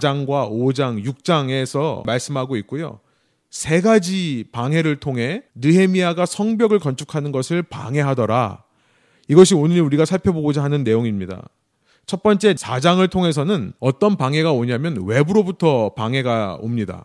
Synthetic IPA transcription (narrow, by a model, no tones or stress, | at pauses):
d͡ʑaŋɡwaod͡ʑaŋjuk̚t͡ɕ͈aŋe̞sʰʌmaɭs͈ɯmɦaɡoik̚k͈ojo̰ | sʰe̞ɡad͡ʑipaŋɦe̞ɾɯɭtʰoŋɦe̞nɯɦe̞miaɡasʰʌŋbjʌɡɯɭkʌnt͡ɕʰu̥kʰanɯnɡʌsʰɯɭpa̰ŋɦe̞ɦadʌɾa̰ | iɡʌɕ̬ʰionɯuɾiɡasʰaɭpʰjʌboɡod͡ʑaɦanɯnːe̞joŋimɲida̰ | t͡ɕʰʌt̚p͈ʌnt͡ɕ͈e̞sʰad͡ʑaŋɯɭtʰoŋɦe̞s̬ʰʌnɯnʌt͈ʌnpaŋɦe̞ɡaoɲamjʌnwe̞buɾobutʰʌpaŋɦe̞ɡao̰mɲida̰